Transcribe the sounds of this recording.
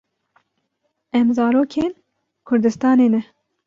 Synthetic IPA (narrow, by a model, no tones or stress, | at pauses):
ɛmzɑːɾoːkʰeːn | kʰʊɾd̪ɨst̪ɑːneːnɛ